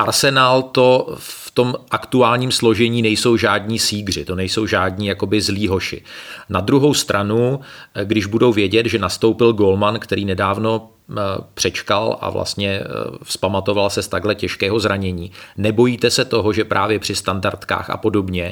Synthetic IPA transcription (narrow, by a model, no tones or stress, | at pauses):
ʔaɾsɛnaːlt̪o̞ft̪o̞mʔakt̪uaːlɲiːmslo̞ʒɛɲiːnɛjso̞wʒaːdɲiːsiːɡr̝ɪt̪o̞nɛjso̞wʒaːdɲiːjako̞bɪzliːɦo̞ʃɪ̰nad̪ɾuɦo̞wst̪ɾʔanuɡdɪʒbudo̞wvjɛɟɛt̪ʒɛnast̪o̞wpɪlɡo̞lmankt̪ɛɾiːnɛdaːvno̞ | pr̝̥ɛt͡ʃkalʔa̰vlʔa̰st̪ɲɛfspamat̪o̞valsɛst̪aɡɦlɛcɛʃkɛːɦo̞zɾaɲɛɲiːnɛbo̞jiːt̪ɛsɛt̪o̞ɦo̞ʒɛpɾʔa̰ːvjɛpr̥ɪst̪andaɾt̪ka̰ːxa̰po̞do̞bɲɛ